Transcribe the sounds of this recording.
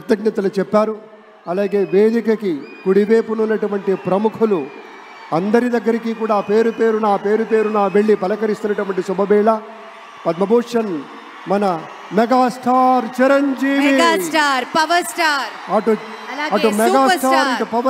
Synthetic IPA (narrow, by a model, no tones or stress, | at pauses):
pɐt̪jɐɡnɐt̪ɐlut͡ʃɛpːaːɾu | ɐlaːɡe̞ːʋeːd̪ikɐkikuɽibeːpununːɐʈuʋɐɳʈipɾɐmukʰulu | ɐnd̪ɐɾid̪ɐɡːɐɾikiːkuːɽaːpe̞ːɾupe̞ːɾunaːpe̞ːɾupe̞ːɾunaːʋe̞ɭːipɐlɐkɐɾist̪unːɐʈuʋɐɳʈisubɐbɛːɭɐ | pɐd̪mɐboːʂɐn | mɐnɐ | mɛɡaːsʈʰaːɾt͡ʃiɾɐɲd͡ʒiːʋisʈaːɾpɐʋɐsʈaːɾɐʈuɐʈumɛɡaːʈʰaːɾːɾɐupɐʋɐ